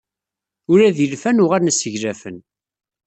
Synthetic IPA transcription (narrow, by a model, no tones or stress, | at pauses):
ʊɾæðilfænʊʁaɾnæsəʝɾæfən